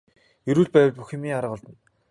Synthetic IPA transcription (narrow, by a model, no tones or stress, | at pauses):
ɵɾuːɮpæːw̆t͡ɕ̪puxĕmiːŋaɾ̆ʁɔɮt̪ə̆n